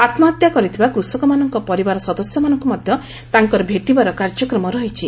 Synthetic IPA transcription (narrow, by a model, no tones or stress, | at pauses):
at̪mat̪jakɔɾit̪ʰibakɾusɔkɔmanɔŋkɔpɔɾibaɾɔsɔd̪ɔsjɔmanɔŋkumɔd̪ʱjɔ | t̪aŋkɔɾɔbʱeʈibaɾɔkaɾd͡ʒɔkɾɔmɔɾɔɦit͡ʃʰi